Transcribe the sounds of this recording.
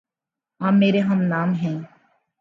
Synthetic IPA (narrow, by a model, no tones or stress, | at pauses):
ãːmːeːɾeːɦə̃mnaːmɦɛ̃ː